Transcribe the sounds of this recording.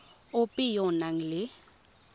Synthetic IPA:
ʊpʼɪjɔnaŋ̩lɪ

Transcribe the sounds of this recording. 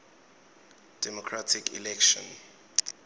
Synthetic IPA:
d̥ɛmɔkʰratʰikʰḭlɛkʃɔ̰̃n

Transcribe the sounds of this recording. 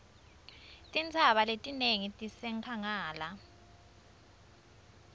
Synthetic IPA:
tʼint͡sʰaɓaletʼineŋitʼisɛŋkʰaŋaːla

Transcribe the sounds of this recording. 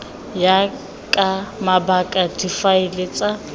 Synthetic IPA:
ja | kʼamabakʼadifaɪlet͡sʼa

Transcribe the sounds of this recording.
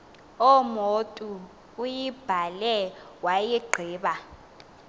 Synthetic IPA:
ɔmotʼuː | jib̥ʱalɛ | wajiɡ͡ǃʱiːɓa

